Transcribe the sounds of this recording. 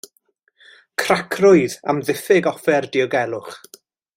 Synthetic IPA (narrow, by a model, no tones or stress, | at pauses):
kʰrakʰrʊɨða̰mðɪfɪɡɔfɛrdiɔɡɛlˠʊχ